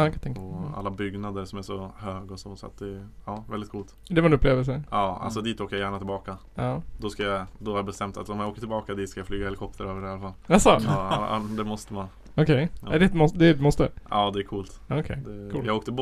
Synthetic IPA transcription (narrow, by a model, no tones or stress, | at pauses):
kt̪ʰɛŋkɔa̰lːabʏɡnad̪əɾʂɔmæʂɔhøːɡɔsɔsɔa̰t̪̚d̪ɛːɑːvɛld̪ɪt̪kʰuːlt̪d̪ɛvaɾɛnɵpːleːvd̪əls̬əɑːa̰lsɔd̪iːt̪ːoːkəjajæːɳat̪ʰɪlbɑːka | ɑːd̪ɔskajad̪ɔhaɾjabɛst̪ɛmt̪a̰t̪ɔmjaoːkəʈʰɪlbɑːkad̪iːt̪skajaflyːɡahɛlɪkʰɔp̚t̪əɾøːvəɖɛhalːafalːasɔ | d̪ɛmɔst̪əman | ɔkʰɛjɾɛt̪mɔsd̪ɛd̪mɔst̪ə̰ɑːd̪ɛækʰuːlt̪ːkʰɛjd̪ɛkʰuːjɑɡoːkt̪əbɔ